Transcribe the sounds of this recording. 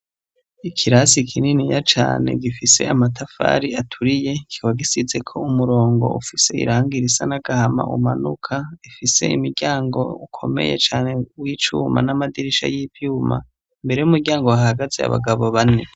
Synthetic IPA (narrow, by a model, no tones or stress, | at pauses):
ikʰiɾasikʰininijat͡ʃa̰ːne̞̰ɡifise̞̰amatʰafa̰ɾiatʰuɾije̞kʰiwaɡisize̞kʰo̞umuɾo̞ːŋɡo̞̰ʔufise̞ḭɾaːŋɡiɾisanaɡahama̰ʔṵma̰nukʰaifise̞̰imiɾɟaːŋɡo̞̰ukʰo̞̰me̞̰je̞̰t͡ʃaːne̞wiːt͡ʃuːma̰namadiɾiʃa̰jiːpjuːma̰ | mbe̞ɾe̞jumuɾɟaːŋɡowahaɡazea̰βa̰ɡaβo̞βane